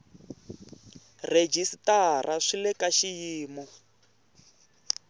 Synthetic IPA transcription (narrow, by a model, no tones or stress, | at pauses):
red͡ʒistarʔaʂilɛkaʃijiːmu